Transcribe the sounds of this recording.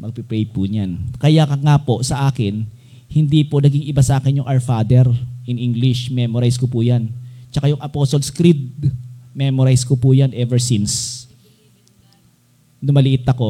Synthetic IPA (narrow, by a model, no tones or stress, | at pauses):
mɐɡ̚pɪpɾɛjpuɲankɐjakɐŋapo̞sɐʔaːkɪn | hɪnd̪iponɐɡiŋɪbasɐʔaːkɛnjʊŋʔaɹfaːd̪ɛɾʔɪnʔiŋɡlɪʃmɛmoɾajskopuːjant͡ʃɐkajʊŋʔɐposolskɾid̪̚mɛmoɾajskopujanʔɛvɛɹsins | nʊmɐlɪʔɪt̪ːɐko̞